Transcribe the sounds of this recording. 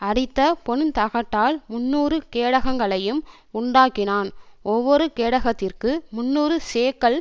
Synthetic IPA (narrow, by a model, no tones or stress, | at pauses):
ɐɽɪt̪ːɐpɔɳt̪ɐɣɐʈːaːlmʊnːuːɾɯkeːɽɐɣɐŋɡɐɭɐjɯm | ʊɳɖaːkːɪnaːnɔʋːɔɾɯkeːɽɐɣɐt̪ːɪrkɯmʊnːuːɾɯseːkɐɭ